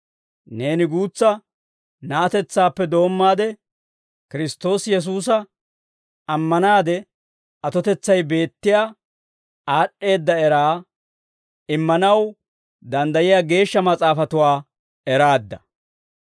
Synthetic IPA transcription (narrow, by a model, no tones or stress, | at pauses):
ne̞ːnɪɡuːt͡sːɐ | nɐːt̪ɛt͡sːaːpːɛd̪o̞ːmːaːd̪ɛ | kɪɾɪst̪o̞ːsjɛs̬uːs̬ɐ | ʔɐmːɐnaːd̪ɛ | ɐt̪ɔt̪ɛt͡sːɐjbe̞ːt̪ːɪjaː | aːɗːe̞ːd̪ːɐɛɾaː | ɪmːɐnɐw | d̪ɐnd̪ɐjɪjaːɡe̞ːʃːɐmɐt͡sʼaːfɐt̪ʊwaː | ɛɾaːd̪ːɐ